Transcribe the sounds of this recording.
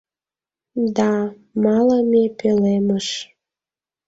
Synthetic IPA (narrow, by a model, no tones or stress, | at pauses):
d̪ɑ | mɑləmepeleməʃ